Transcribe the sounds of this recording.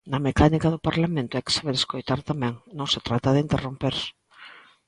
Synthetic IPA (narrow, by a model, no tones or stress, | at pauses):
nɐmekanikaðʊpaɾlamẽnt̪ʊɛjkɪ̥saβeɾeskojt̪aɾt̪amɛ̃ŋnõŋset̪ɾat̪aðeint̪erompeɾs